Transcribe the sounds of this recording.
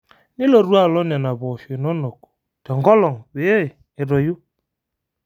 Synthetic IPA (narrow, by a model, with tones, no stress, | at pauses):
nɪ˦lo˨ɾwa˦˨lɔ˦n˨a˨na˨βɔ˨ʃe˨nɔ˦nɔ˨ku̥˨ | tɔ˨ŋɡɔ˦lɔ˨ŋwe˨˦e˦˨ | ɪ˨ɾɔ˨ju˦